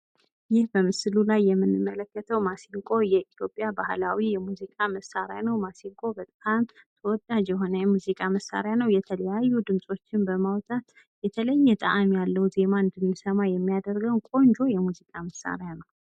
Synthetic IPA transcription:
jɪhbəmɨslulajːɛmːɨnːɨmːələkːət̪ʰəwmasiŋkʼo̞jɛʔit̪jo̞pʼjabahlawijɛmuzikʼaməsaɾja̰nəwmasiŋkʼo̞bət̪ʼamt̪ | t̪ʰəwɔd̪ad͡ʒjɛɦo̞nəjɛmuzikʼaməsːa̰ɾjanəwjɛt̪ʰələjajːud̪ɨmsʼo̞t͡ʃːɪnbəmawt̪ʼat̪ | jɛt̪ʰələjːɛt̪ʼa̰ʔamjalːəwze̞maɨnd̪ənːisəmajɛmːijad̪əɾɡəwnkʼo̞nd͡ʒo̞jɛmuzikʼaməsːa̰ɾjanəw

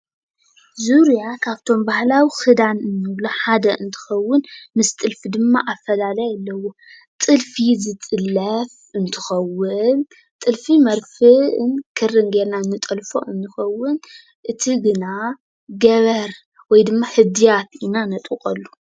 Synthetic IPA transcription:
zuɾjakʰaβt̪ʰo̞mbahlawixɨd̪anɨnːɨwloħad̪ɐʔɨnt̪ʰɨ̥xɐwːʊnmɨst̪ʼɨlfid̪ɨmːaʔafɐlalajalːɐwo̞ | t̪ʼɨlfizɨt̪ʼɨlːɐf | ʔɨnt̪ʰɨ̥xɐwːɨn | t̪ʼɨlfimɐɾfɨʔɨnkʰɨrɨnɡeɾnanːɨt̪ʼɐlfo̰ʔɨnːɨxɐwːɨn | ʔɨt̪ʰiɡɨna | ɡɐβɐɾ | wɔjd̪ɨmːaħɨd̪ijat̪inanɐt̪ʼukʼɐlːu

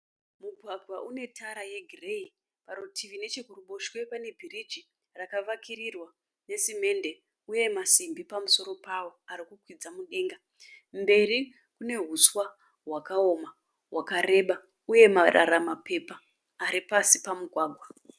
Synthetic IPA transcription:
muɡʱwaɡʱwaʔune̞tʰaɾaje̞ɡʱirei | paɾotiʋine̞t͡ʃekuruɓo̞ʃwe̞pane̞bʱirid͡ʒi | rakaʋakirirwa | ne̞sime̞nde̞ | uje̞masimbipamuso̞ɾo̞pawo̞aɾikukwid͡zamuɗe̞ŋɡa | mbe̞ri | kune̞ɦuswa | ɦwakao̞ma | ɦwakare̞ɓa | uje̞marʔa̰ɾamape̞paː | ɾipasipamuɡʱwaːɡʱwa

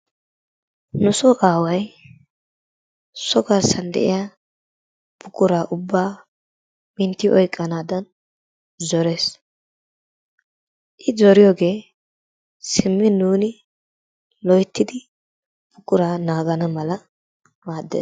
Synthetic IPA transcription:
nʊsɔʔaːwɐj | sɔɡɐɾsɐnd̪ɛ̰ʔɪ̰ja | b̥ʊkʼːʊɾaːʔʊbːaː | mɪnt̪ːɪʔɔjkʼːɐnaːd̪ɐn | zɔɾe̞ːs | ʔɪzɔɾɪjoːɡe̞ː | sɪmːɪnuːnɪ | lɔjt̪ːɪd̪ɪ | bʊkʼʊɾaːnaːɡɐnɐmɐlɐ | maːd̪ːḛː

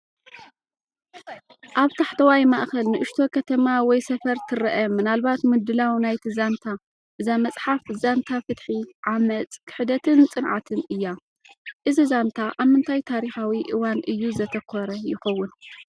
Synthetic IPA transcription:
ʔaβt̪ʰaħt̪ʰɐwajmaʔxɐlnɨʔɨʃt̪ʰo̞kʰɐt̪ʰɐmawɔjsɐfɐɾt̪ʰɨɾɐʔɐmɨnalβat̪mɨd̪ɨlawnajt̪ʰizant̪ʰa | ʔɨzamɐt͡sʼħafzant̪ʰafɨt̪ħiʕamɐt͡s̪ʼkʰɨ̥ħɨd̪ɐt̪ʰɨnt͡sʼɨnʕat̪ʰɨnʔɨjːa | ʔɨzizant̪ʰaʔaβmɨnt̪ʰajt̪ʰaɾixawiʔɨwanʔɨjːuzɐt̪ʰɐkʰɔɾɐjɪxɐwːʊn

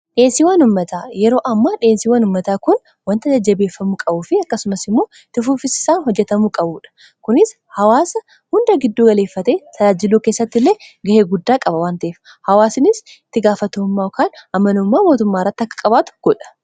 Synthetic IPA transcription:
ᶑe̞ːnsɪwaːnʊmːɐt̪aːjɛɾo̞ːʔɐmːaːᶑe̞ːnsiːwaːnʊmːɐt̪aːkʊn | wɐnt̪ɐd͡ʒɐd͡ʒːɐbe̞ːfːɐmuːkʼɐbuːfɪɐkːɐsʊmɐsɪmːo̞ː | t̪ʊfuːfɪsɪ̥saːnɦɔd͡ʒːɛt̪ɐmuːkʼɐbuːᶑɐ̥ | kʊnɪs | hɐwaːsɐ | hʊnd̪ɐɡɪd̪ːuːɡɐle̞ːfːɐt̪e̞ːt̪ʰɐlaːd͡ʒɪluːkeːsːɐt̪ːɪlːe̞ːɡɐheːɡʊd̪ːaːkʼɐbɐwaːnt̪ɐʔeːf | hɐwaːsɪnɪs | ɪt̪ːɪɡaːfɐt̪oːmːaːɔkaːnʔɐmːɐnʊmːaːmo̞ːt̪ʊmːaːɪrːɐt̪ːɐkːɐ̥kʼɐbaːt̪ʊ̥ɡ̥ɔᶑɐ̥

